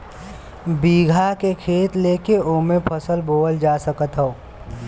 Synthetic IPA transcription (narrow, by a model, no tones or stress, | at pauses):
biːɡʱakekʰeːt̪leːkeoːmẽpʰəsəlboːəld͡ʒaːsəkət̪ɦoː